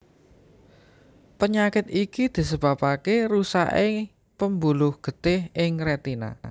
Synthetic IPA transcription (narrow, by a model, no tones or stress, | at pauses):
pəɲakɪt̪̚ikid̪̥i̤səb̥a̤pakeɾusa̰ʔɪ | pəmbulʊhɡ̥ə̤d̪̥ɪhɪŋɾɛt̪ina̰